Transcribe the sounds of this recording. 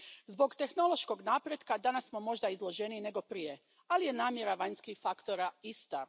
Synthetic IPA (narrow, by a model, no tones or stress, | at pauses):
zbo̞ɡt̪e̞xno̞lˠo̞ʃko̞ɡnaːpɾjed̪kad̪anassmo̞mo̞ʒd̪aizlˠo̞ʒenine̞ɡo̞pɾije | alije̞naːmje̞ɾaʋaɲskixfakt̪o̞ɾaist̪a